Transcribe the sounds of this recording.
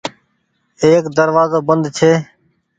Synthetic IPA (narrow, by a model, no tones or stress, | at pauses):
eːkd̪əɾʋaːzoːbənd̪t͡ʃʰeː